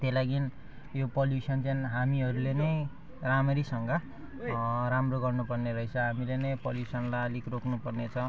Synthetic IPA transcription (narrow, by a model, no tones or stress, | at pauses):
t̪elaɡin | jopʌljusʌnt͡sainɦamiɦʌɾulenʌj | ramʌɾisʌŋɡʌ | ɾamroɡʌrnupʌrneɾʌɦit͡sʰʌɦamilenʌjpʌljusʌnlalikrokʰnupʌrnet͡sʰʌ